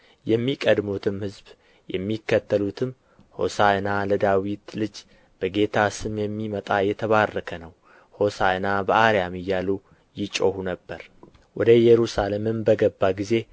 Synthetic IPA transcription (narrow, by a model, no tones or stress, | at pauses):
jɛmːikʼəd̪mut̪ʰɨmhɨzb | jɛmːikːət̪ʰːəlut̪ʰɨm | ho̞̰saɨnaləd̪awit̪lɨd͡ʒ | b̥əɡe̞t̪ʰasɨmjɛmːimət̪ʼajɛt̪ʰəβarːəkʰənəw | ho̞saɨnabəʔaɾjamɪjːalu | jɪt͡ʃʼo̞hunəbːəɾ | wɔd̪əjɛɾusalemɨmbəɡəbːaɡize̞